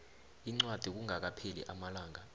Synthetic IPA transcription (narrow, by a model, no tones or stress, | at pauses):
iŋ͡ǀwad̥ʱik̬uŋʱak̬apʰelḭʔamalaːŋa